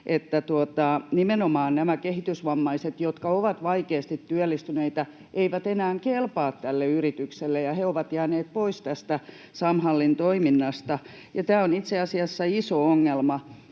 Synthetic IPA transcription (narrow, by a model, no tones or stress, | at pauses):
ʔet̪ːæt̪uot̪ɑnimenomɑːnnæmækehit̪ysʋɑmːɑiset̪jot̪kɑoʋɑt̪ʋɑikeːst̪it̪tyælːist̪yneit̪æ | ʔeiʋæt̪enæːŋkelpɑːt̪t̪ælːeyrit̪ykselːejɑheoʋɑt̪jæːneːt̪̚poist̪æst̪æ | sɑmhɑlːint̪oiminːɑst̪ɑ | jɑt̪æːonit̪seɑsiɑsːɑisooŋːelmɑ